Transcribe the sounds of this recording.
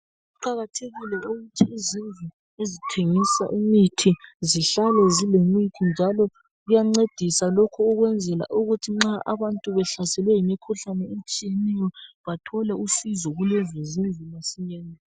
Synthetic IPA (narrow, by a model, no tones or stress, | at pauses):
uǃaɣatʰeɣilɛuɣutʰiːzinvʱu | ezitʰeŋisa̰ʔimitʰiziɬalɛzilemitʰind͡ʒʱalɔ | ɣujaŋ͡ǀed̥ʱisalɔkʰɔːɣwɛnd͡zʱɛla̰ʔuɣutʰiŋ͡ǁaʔa̰βantʼuβɛɬasɛlwɛjimikʰuɬanɛemt͡ʃʼijenɛjɔβatʰɔlɛusizɔɣulɛzɛzinvʱulesiɲɛːnɛ